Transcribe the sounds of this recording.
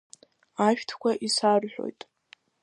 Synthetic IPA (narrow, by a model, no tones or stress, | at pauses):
aʃᶣtʰkʷaʔisarħʷᶣo̰jtʼ